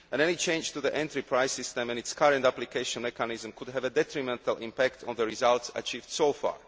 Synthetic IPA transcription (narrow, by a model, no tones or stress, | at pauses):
ʔɛ̃nɛnit͡ʃẽɪ̃nd͡ʒt̪uðiʔɛ̃nt̪ɹipɹaɪsist̪ɛ̃mɛ̃nitskʰaɹɛ̃nt̪aplikʰeɪʃɔ̃nmɛkanizmkud̪ɦɛvɛd̪ɛt̪ɹimɛ̃nt̪ʰəlʔḭ̃mpækt̪ʰɔ̰̃nðəɹizaltsa̰t͡ʃiːvd̥soʊfa̰ːɹ